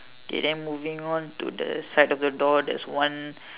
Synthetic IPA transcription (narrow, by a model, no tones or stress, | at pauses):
ɡ̥ɛ̰dɛ̃muvĩŋɔ̃nt̪ṵdə̰sajtɔfdədɔdɛ̰swãn